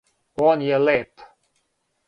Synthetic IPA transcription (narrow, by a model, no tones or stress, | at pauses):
ɔnjəlɪp